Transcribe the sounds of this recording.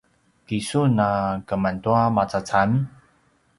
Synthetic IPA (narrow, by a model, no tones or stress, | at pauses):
kisunakəmantuamat͡sat͡sam